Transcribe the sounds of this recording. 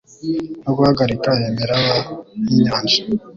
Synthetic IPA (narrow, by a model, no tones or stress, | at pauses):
noɡuhaɡaɾikajemeɾawajiɲaːnd͡ʒḁ